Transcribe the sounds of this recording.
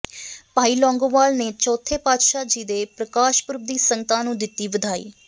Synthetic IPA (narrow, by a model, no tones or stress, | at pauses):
paːiːlɔ̃ːŋɡoʋaːlneːt͡ʃɔːt̪ʰːeːpaːd̪ʃaːd͡ʒiːd̪eːpɾəkaːʃpʊɾb̚d̪iːsəŋɡət̪ãːnũːd̪ɪt̪ːiːʋəd̪ʱaːḭː